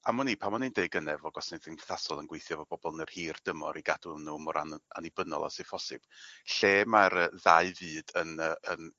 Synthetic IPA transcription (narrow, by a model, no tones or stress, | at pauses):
amɔniːpʰamɔnindeɨɡənɛvɔɡɔsneðənθasɔlˠənɡwejθjɔvɔb̥ɔbɔlˠnərhiːrd̥əmɔ̰ɾiɡadʊnuːmɔɾa̰na̰nibənɔ̰lˠa̰sɪfʰɔsɪb̥ɬeːmaɾəːðaɨvɨːd̥ənəən